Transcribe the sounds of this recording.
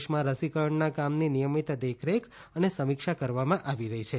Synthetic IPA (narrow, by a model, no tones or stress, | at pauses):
ʃmãɾəsikəɭəɳnakamninijəmit̪d̪ekʰɾek | ənesəmikʃakəɾʋamãʔaʋiɾəɦit͡ʃʰe